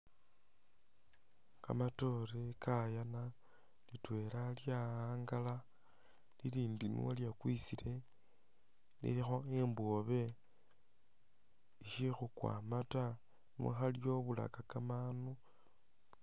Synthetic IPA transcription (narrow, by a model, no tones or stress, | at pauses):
ka̰mato̞ɾekʰajana | litwe̞ɾaljaaːŋɡala | liliːndinwoljakwisiɾe̞ | nḭlixoemboβe̞ | ʃixukwa̰ːmata | nwo̰xaljo̞βula̰kakamanu